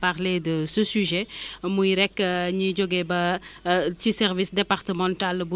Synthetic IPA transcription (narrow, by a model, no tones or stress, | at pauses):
paʁledəsəsyʒɛmujɾɛkːəɲid͡ʒoɡebɐ | tisɛrvisdepaʁtəmɑ̃ntalbu